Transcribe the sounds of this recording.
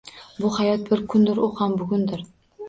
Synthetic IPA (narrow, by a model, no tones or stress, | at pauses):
bʊhajɒt̪̚bɪɾkʰʊnd̪ɪɾoqhambʊɡʲʊnd̪ɪɾ